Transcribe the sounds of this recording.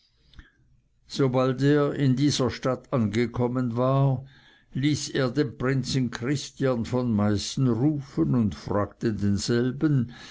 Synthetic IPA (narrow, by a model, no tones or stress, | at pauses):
z̥obalteːɐɪndiːzɐʃtatʰanɡəkʰɔmənvaː | liːseːɐdeːnpʁ̥ɪnt͡sn̩kʰʁ̥ɪstjanfɔnmaɪstn̩ʁuːfənʊntfʁa̰ːɡ̥tədeːnz̥ɛlbən